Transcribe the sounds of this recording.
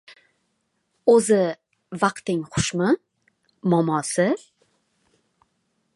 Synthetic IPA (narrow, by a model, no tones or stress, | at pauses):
ɵzɪ | vɑqt̪ɪŋχʊʃmɪ | mɒmɒsɪ